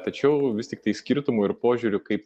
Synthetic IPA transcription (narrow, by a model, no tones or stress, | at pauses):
t̪ɐt͡ʃʲɛʊʋʲɪstʲɪkt̪ɐɪsʲkʲiɾt̪ʊmoːɪɾpoːʒʲʊːɾʲʊkɐɪp̚